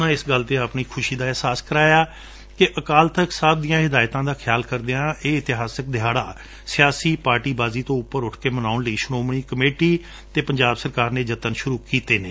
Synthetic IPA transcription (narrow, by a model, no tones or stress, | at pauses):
nãːɪsɡəlt̪eːapɳiːkʰʊʃiːd̪aːɛɦsaːskəɾaːjaː | kɪʔəkaːlt̪əksab̚d̪ijãːɦɪd̪aːjt̪ãːd̪aːkʰɪjaːlkəɾd̪eãːʔeːɪt̪ɪɦaːsək̚d̪ɪɦaːɽaː | sɪjaːsiːpaːɾʈiːbaːziːt̪õːʊpːəɾʊʈʰkeːmənaːʊnləiːʃʊɽõːmɳ̃iːkəmeːʈiː | t̪eːpəɲd͡ʒaːbsəɾkaːɾneːd͡ʒət̪ənʃʊɾuːkiːt̪eːneː